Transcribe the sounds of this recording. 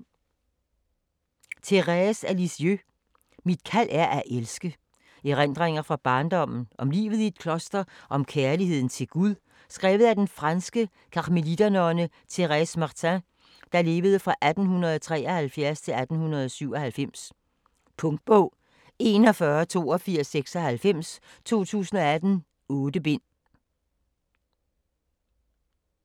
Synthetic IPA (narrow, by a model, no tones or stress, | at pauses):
t͡sʰe̝ʁɛsælisiø | mid̥̚kʰæl̰æɐʔæʔelsɡ̥ə | iʁend̥ʁeŋ̰ɐfʁɑ̈b̥ɑ̈ːnd̥ɒ̽m̰n̩ʔɒ̽mlḭːʋð̞̩ˠied̥̚kʰlɒ̽sd̥ɐʔɒ̽mkʰæɐlihe̝ð̰ˠn̩t͡sʰe̝lɡ̥uðˠ | sɡ̥ʁɛ̰ːʊð̞̩ˠæd̥enfʁɑnsɡ̥ə | kʰɑ̈ʁmelid̥ænɒnə | t͡sʰe̝ʁɛsmɑ̈t͡sʰæ̃ | d̥ɑ̈le̝ːʋəð̞̩ˠəfʁɑ̈ʔæd̥n̩hunʁɐð̞̩ˠɒt͡sʰʁɛ̰ːɒhælfjæɐst͡sʰe̝læd̥n̩hunɐð̞ˠɒsyʊɒ̽hælfem̰s | pʰɔ̽ŋd̥̚b̥ɔʊ̰ | e̝ːnɒ̽fɶɐt͡sʰo̝̰ːɒfiɐ̰sːeɡ̥sɒhælfem̰st͡sʰo̝̰ːt͡sʰṵːsn̩ɒ̽æd̥n̩ | ɔːd̥əb̥e̝n̰